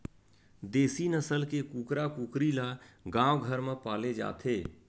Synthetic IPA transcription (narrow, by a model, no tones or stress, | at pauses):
d̪eːsinəsəlkekuːkɾakuːkɾilaɡãːwɡʱəɾmẽpaːled͡ʒa̰ːt̪ʰeː